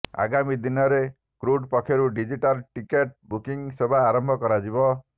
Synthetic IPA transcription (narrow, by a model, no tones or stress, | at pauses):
a̰ɡamid̪inɔɾe | kɾuɖpɔkʰeɾuɖid͡ʒiʈalʈikeʈ̚bukiŋsebʱaːɾɔmbʱɔkɔɾad͡ʒibɔ